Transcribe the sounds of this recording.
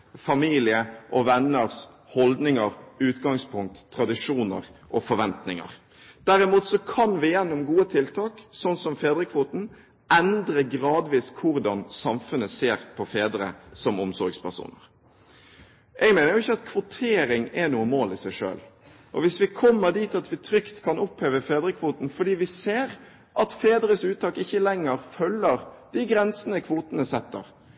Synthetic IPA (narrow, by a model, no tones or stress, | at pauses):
fɑmiːlɪəʔɔʋɛnːəɾs | hɔld̪nɪŋəɾʉːt̪ɡɑŋspʰʊŋk̚t̪ʰːɾɑd̪ɪʂuːnə̰ɾʔɔfɔɾʋɛnt̪nɪŋə̰ɾ | d̪̥æɾɪmuːt̪sɔkʰɑnʋɪjɛnːʊmɡuːət̪ʰɪlt̪ʰɑːksɔnːsɔmfeːd̪ɾəkʰʋuːt̪n̩ | ɛnd̪ɾəɡɾɑːd̪ʋiːskʰʊɾd̪ɑnsɑmfʉnːəseːɾpʰɔfeːd̪ɾəsɔmʊmsɔɾɡspæʁʂṵːnə̰ʁ | ʔɛɡmɛːnəɾjʊɪçːəɑt̪kʰʋʊt̪ʰeːɾɪŋɛnuːəmoːlɪsæɪʂø̰ːl | ʔɔʋɪsʋɪkʰɔmːəɾd̪iːt̪ɑt̪ʋɪt̪ʰɾʏkt̪kʰɑnʊpheːʋəfeːd̪ɾəkʰʋuːt̪n̩fɔɖiːʋɪseːɾ | ʔɑt̪feːd̪ɾəsʉːt̪̚t̪ɑːkɪçːəlɛŋːəɾfœlːəɾd̪̥ɪɡɾɛnsənəkʰʋuːt̪ənəsɛt̪ːə̰ɾ